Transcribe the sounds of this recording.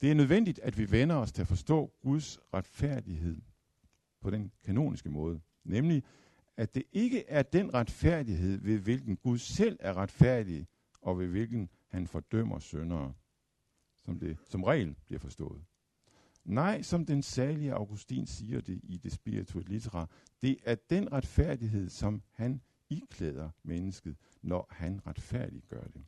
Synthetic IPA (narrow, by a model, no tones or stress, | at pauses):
d̥e̝æɐnøð̞ˠʋen̰d̥id̥æd̥ʋiʋenɐɒ̽st͡sʰe̝æfɒ̽sd̥ɔ̰̽ːɡ̥uð̞ˠsʁad̥fæɐ̰d̥iɦe̝ð̰ˠ | pʰɒ̽ɾ̥enkʰæno̝̰ːnʔisɡ̥əmɔ̽ːð̞ˠə | nemli | æd̥e̝ʔe̝ɡ̥əʔæɐd̥enʁad̥fæɐ̰d̥iɦe̝ð̞̰ˠʋe̝ʋe̝lɡ̥n̩ɡ̥uð̞ˠsel̰æɐʁäd̥fæɐ̰d̥i | ɒ̽ʋe̝ʋe̝lɡ̥n̩ | hænfɒ̽d̥œm̰ɐsønɐː | ɒ̽md̥e̝sɒ̽mʁɛ̰ːlb̥liɐfɒ̽sd̥ɔ̰̽ːð̞̩ˠ | nɑ̈ɪ̰sɒ̽md̥ensɛɐliəʔɑ̈ʊɡ̥usd̥ḭːnsiːɐd̥e̝ʔid̥e̝sb̥iʁit͡sʰulit͡sʰeʁɑ̈ | d̥e̝ʔæɐd̥enʁad̥fæɐ̰d̥iɦe̝ð̞̰ˠsɒ̽mhæn | ikʰlɛːð̞ˠɐmenəsɡ̥ð̩ˠ | nɒhænʁad̥fæɐ̰d̥iɡ̥ɶɐd̥e̝